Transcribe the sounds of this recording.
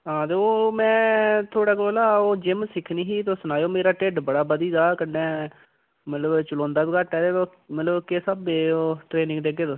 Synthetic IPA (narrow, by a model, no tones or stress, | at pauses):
ɦãːt̪eːoːmɛ̃ːt̪ʰoːɽaːk̬oːlaːoːd͡ʒɪmsɪkʰniːɦiːt̪oːsʊnaːjoːmeːɾaːʈeːɖbəɽaːbəd̪iːd̪aːkənːɛː | mət̪ləbt͡ʃəlɔ̃ːnd̪aːbikəʈːɛːd̪eːo | mət̪ləbkeːsəbeːoːʈɾeːnɪ̃ŋɡd̪eːɡeːd̪o